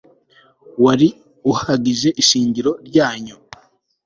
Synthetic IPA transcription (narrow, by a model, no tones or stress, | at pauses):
waɾi | uhaɡiʒe̞ʔiʃiːɲɟiɾo̞ɾɟaːɲu